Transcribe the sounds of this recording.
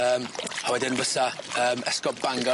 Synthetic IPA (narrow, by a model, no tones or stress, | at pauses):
əːmhawɛdɪnbəsaəːmɛskɔpb̥aŋɡɔ